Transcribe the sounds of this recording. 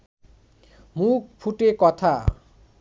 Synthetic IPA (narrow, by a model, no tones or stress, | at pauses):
muk̚pʰuʈekɔt̪ʰa